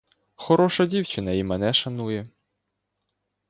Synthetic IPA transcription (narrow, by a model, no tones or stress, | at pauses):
xɔɾɔʃɐdʲiwt͡ʃɪnɐimenɛʃɐnujɛ